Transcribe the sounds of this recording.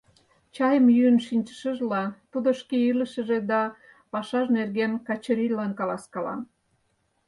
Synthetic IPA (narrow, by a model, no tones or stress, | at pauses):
t͡ɕɑjəmjyənʃinʲt͡ɕə̥ʃəʒlɑt̪ud̪oʃkeiləʃə̆ʒed̪ɑ | pɑʃɑʒnerɣenkɑt͡ɕəɾilːɑnkɑlɑskɑlɑ̰n